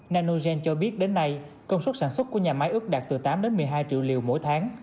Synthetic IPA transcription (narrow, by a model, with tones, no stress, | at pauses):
naː˧no˧zɛ˧nt͡ɕɔ˧ɓi˦˥ət̚ɗe˨˦nːa˧j | kə˧wŋ͡mswə˦˥t̚saː˧˩nswə˦˥t̚ku˧˩ɲaː˨˩ma˨˦jʔɨ˦˥k̚ɗaː˨˩k̚t̪ɨ˨˩t̪aː˨˦mɗe˨˦nmɨ˨˩əjɦaː˧jt͡ɕḭ˧˨wli˨˩əwmo̰˧˥jt̪ʰaː˨˦ŋ